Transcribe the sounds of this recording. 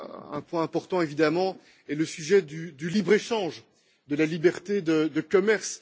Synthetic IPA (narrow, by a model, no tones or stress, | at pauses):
ɛ̰̃pwɛ̃ɛ̃pɔʁt̪ɑ̃evid̪amɑ̃ | ɛləsyʒɛd̪yd̪ylibʁeʃɑ̃ʒ | d̪əlalibɛʁt̪ed̪əd̪əkɔmɛʁs